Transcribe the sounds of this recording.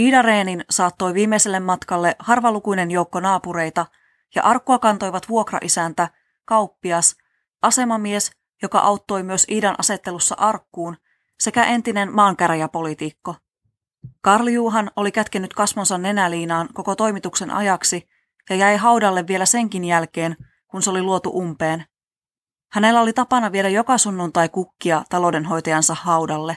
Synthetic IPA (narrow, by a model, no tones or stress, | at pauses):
iːdɑreːninsɑːt̪ːo̞jʋiːmːejse̞lːemːɑt̪kɑlːe̞hɑrʋɑlukujne̞njo̞uwkːo̞nɑːpuɾe̞jt̪ɑ | jɑ̰ʔɑrkːuɑkɑnt̪o̞jʋɑt̪ʋuo̞krɑ̰ʔisænt̪æ | kɑwpːiɑs | ʔɑse̞mɑmie̞s | jo̞kɑ̰ʔɑwt̪ːo̞jmyø̞siːdɑnʔɑ̰se̞t̪ːe̞lusːɑ̰ʔɑrkːuːn | se̞kæʔe̞nt̪ine̞nmɑːŋkæɾjæpo̞lit̪ikːo̞ | kɑrljuːɦɑno̞likæt̪kenːyt̪kɑsʋonsɑnːe̞næliːnɑːnko̞ko̞t̪o̞jmit̪ukse̞nʔɑ̰jɑksi | jɑjæjɦɑuwdɑlːe̞ʋːie̞læse̞ŋkinjælke̞ːn | kunseo̞liluo̞t̪ṵʔumpe̞ːn | hæne̞lːæo̞lit̪ɑpɑnɑʋieɾæjo̞kɑsunːunt̪ɑjkukːiɑt̪ɑlo̞de̞nɦo̞jt̪ɑjɑnsɑhhɑuwdɑlːe̞